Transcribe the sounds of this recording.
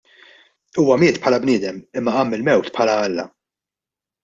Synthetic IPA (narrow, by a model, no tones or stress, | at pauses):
uːwɐmɪːt̪pʰħɐlɐbnɪːd̪ɛmɪmːɐɐmːɪlmɛwt̪pʰħɐlɐɐlːɐ̰